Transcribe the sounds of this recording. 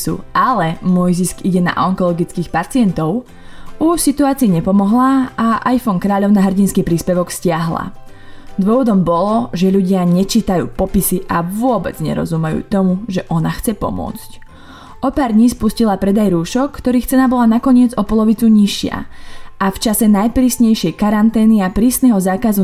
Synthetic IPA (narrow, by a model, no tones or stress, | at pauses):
sṵʔalɛmʊɔjziskiɟɛna̰ʔɔŋkɔlɔɡit͡skiːxpat͡siɪɛnt̪ɔʊ | uʃsit̪uaːt͡siːɲɛpɔmɔɦlaaʔajfɔŋkɾaːʎɔʊnaɦr̩ɟinskiːpɾiːspɛʋɔkscɪaɦla̰ | d̪ʋʊɔʋɔd̪ɔmbɔlɔʒɛʎuɟɪaɲɛt͡ʃiːt̪ajṵːpɔpisiʔaʋʊɔbɛ̰d͡zɲɛ̰ɾɔ̰zumɛjṵːt̪ɔmuʒɛʔɔnaxt͡sɛpɔ̰mʊɔ̰t͡sc | ʔɔpaːɾd̪ɲiːspuscilapɾɛd̪ajɾuːʃɔkːt̪ɔɾiːxt͡sɛnabɔlanakɔɲɪɛd͡zɔpɔlɔʋit͡suɲiʃɪa̰aft͡ʃasɛnajpɾiːsɲɛjʃɛjkaɾant̪ɛːniapɾiːsnɛɦɔzaːkazu